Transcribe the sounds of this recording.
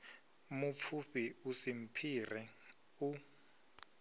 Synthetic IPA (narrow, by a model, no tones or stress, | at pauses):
mup̪fʰuɸiusim̩pʰirɛ | u